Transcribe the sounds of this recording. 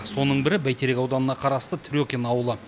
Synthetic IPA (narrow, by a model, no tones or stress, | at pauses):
so̞nəɴbɪɾɪbæjt̪ʰe̞ɾe̞kʲɑwd̪ɑnənɑqʰɑɾɑst̪ət̪ʰɪɾʲjokʲenɑwəlˠə